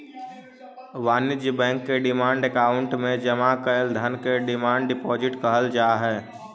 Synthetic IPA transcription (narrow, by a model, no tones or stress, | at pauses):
ʋaːnɪd͡ʒbɛ̃ːŋkːeɖɪmaːɳɖekaːʊɳʈmẽd͡ʒəmakəld̪ʱənkeɖɪmaːɳɖɖɪpɔːd͡ʒɪʈkəɦəld͡ʒaːɦɛː